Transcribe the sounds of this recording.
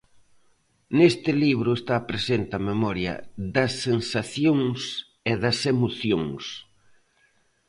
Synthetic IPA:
nest̪ɪliβɾʊest̪apɾesent̪ɪɐmemɔɾjɐ̰ðɐsːensaθjoŋs | eðɐsemoθjoŋs

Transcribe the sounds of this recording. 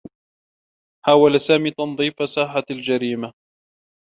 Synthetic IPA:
ħaːwalsaːmiːt̪ɑnðˤiːfasaːħald͡ʒaɾiːma

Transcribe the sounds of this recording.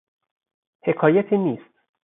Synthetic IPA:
he̞kʰɒːjæt̪ʰiːniːst̪̚

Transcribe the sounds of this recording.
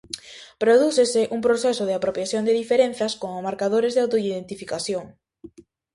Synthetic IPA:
pɾoðuθeseʔumpɾoθesoð̞eapɾopjaθjond̪eðifeɾẽn̟θjaskomomaɾkað̞oɾezðeawt̪oiðent̪ifikaθjoŋ

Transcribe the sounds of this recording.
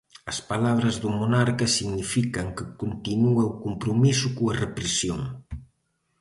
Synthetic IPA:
əspalaβ̞ɾəzðumunaɾkəsiɡnifikəŋkəkunt̪inuəukumpɾumizukuərəpɾəsioŋ

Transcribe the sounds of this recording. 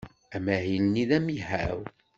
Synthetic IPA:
æmæɦilniðæmihæ̰w

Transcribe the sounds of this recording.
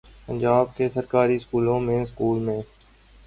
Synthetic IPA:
pə̃ɲd͡ʒaːb̚kesəɾkaːɾiskuːlõmẽɪskuːlmẽː

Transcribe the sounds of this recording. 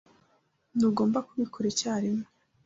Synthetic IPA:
nuːɡo̞ːmbakuβikʰoɾecaːɾimŋe

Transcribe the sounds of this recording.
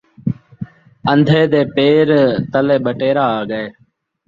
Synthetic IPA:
ənd̪ʱeːd̪eːpeːɾt̪əleːɓəʈeːɾaːaːɡəeː

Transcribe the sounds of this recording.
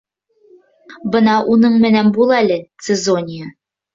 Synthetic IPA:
bɤnɑʔunɤɴmɘ̆nænbulˠælɘt̪sɘzonʲɪjə

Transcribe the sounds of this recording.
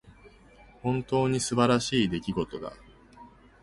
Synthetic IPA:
hõ̞nt̪o̞ːɲ̟isɨbaɾaɕiːd̪e̞kʲiɡo̞t̪o̞d̪a̰

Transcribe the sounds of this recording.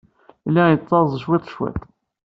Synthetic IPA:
ilæjət͡sˤːɑɾˤzˤʃwit̪ˤʃwæ̰t̪ˤ

